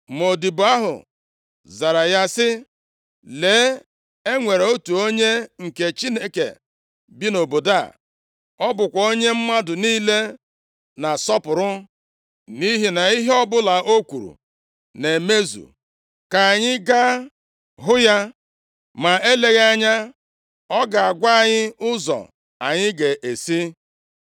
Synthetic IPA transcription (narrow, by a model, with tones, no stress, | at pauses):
m˨o˨di˨ba˦ɦʊ̰˨ | za˨ɾa˨ja˦sɪ˦ | le˨˦ | e˦ŋʷe˨ɾe˨o˦tu˨o˦ɲe˦ŋ̩˨ke˨t͡ʃi˦ne˦kḛ˨ | bi˦no˨bo˨da̰˦˨ | ɔ˦bʊ˨kʷa˨o˦ɲe˦m̩˦ma˦dʊ˨niː˦le˦ | na˨sɔ˦pʊ˨ɾʊ˦ | ni˦ɦi˦na˨i˦ɦe˦ɔ˦bʊ˦la˨ʔo˦kʷu˨ɾṵ˨ | ne˨me˦zṵ˨ | ka˨a˨ɲɪ˦ɡa˦ | ɦʊ˦ja˦ | ma˨e˦le˨ɣa˦ɲa˦ | ɔ˦ɡa˨a˨ɡʷa˦a˨ɲɪ˦ʊ˦zɔ̰˨ | a̰˨ɲɪ˦ɡe˨ʔe˨si˦